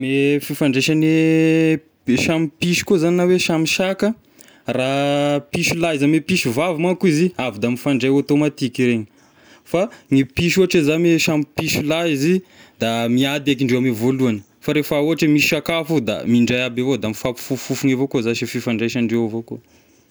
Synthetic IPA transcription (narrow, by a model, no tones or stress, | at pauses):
mefifaɳɖ͡ʐeʃane | ʃamipiʃi̥kozaninaweʃamiʃakə | rapiʃulaizamepiʃuvavimakuiziavid̪amifaɳɖ͡ʐajat̪omat̪ikiɾeɲi | faŋipiʃuɦaʈ͡ʂezameʃamipiʃulaizid̪amiad̪ak̬iɳɖ͡ʐewamivoluanə̥ | faɾefauɦaʈ͡ʂemiʃakafud̪a̰miɳɖ͡ʐajabavod̪amifapu̥fufufuŋevokozaʃififaɳɖ͡ʐejʃanɖ͡ʐewavoko